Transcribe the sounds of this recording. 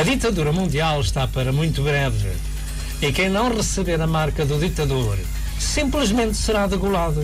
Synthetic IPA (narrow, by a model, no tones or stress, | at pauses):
ɐðit̪ɐðuɾɐmũnd̪ialˠʃt̪apɐɾɐmũj̃t̪uβɾɛvɨ̰ | ikɐ̃j̃nɐ̃w̃ʁɨsɨβeɾɐmaɾkɐðuðit̪ɐðoɾ | sĩmplˠɨʒmẽnt̪sɨɾaðɨɣulˠaðɐ